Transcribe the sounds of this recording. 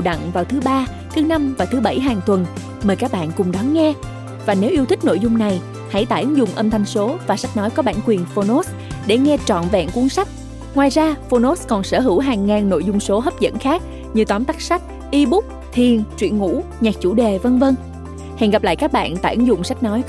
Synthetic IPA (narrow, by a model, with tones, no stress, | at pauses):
wɗə̰˧˨ŋvaː˨˩wt̪ʰɨ˨˦ɓaː˧ | t̪ʰɨ˨˦na˧mvaː˨˩t̪ʰɨ˨˦ɓə˧˩jɦaː˨˩ŋt̪wə˨˩n | məː˨˩jkaː˦˥k̚ɓa̰ː˧˨nkʊ˨˩ŋ͡mɗɔ˨˦nŋɛ˧ | vaː˨˩ne˨˦wʔi˧əwt̪ʰï˥k̚no̰˧˨jzʊ˧ŋ͡mna˨˩j | ha̰˧˩jt̪a̰ː˧˨jʔə˨˦nzʊ˨˩ŋ͡mʔə˧mt̪ʰa˧jŋ̟so˨˦vaː˨˩sa˦˥k̟̚nɔ˨˦jkɔ˨˦ɓa̰ː˧˩˨nkwi˨˩ənfo˧no˦˥s | ɗe˧˩ŋɛ˧t͡ɕɔ̰˧˨nvɛ̰˧˨nku˨˦ənsa˦˥jk̚ | ŋwaː˨˩jzaː˧fo˧no˦˥skɔ˨˩nsəː˧˩ɦɨ˧˩wɦaː˨˩ŋːaː˨˩nno̰˧˨jzʊ˧ŋ͡mso˨˦ɦə˦˥p̚zə̰˧˥nxaː˦˥k̚ | ɲɨ˧t̪waː˨˦nt̪a˦˥k̚sa˦˥jk̚ | ʔi˧ɓʊ˦˥k͡p̚ | t̪ʰi˨˩ənt͡ɕwḭ˧˨ənŋṵ˧˥ɲaː˨˩k̚t͡ɕu˧˩ɗe˨˩və˧nvə˧ŋ | hɛ̰˨˩ŋɣa˨˩p̚la̰ː˧˨jkaː˦˥k̚ɓa̰ː˧˨nt̪a̰ː˧˩jʔə˨˦nzʊ̰˧˨˩ŋ͡msa˦˥jk̟̚nɔ˨˦j